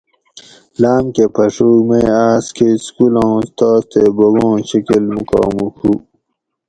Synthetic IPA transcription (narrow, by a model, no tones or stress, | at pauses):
laːmkepʰɐʂumeaːskʰeskulõst̪aːst̪eboɡõːɕikilmuka̰ːmukʰu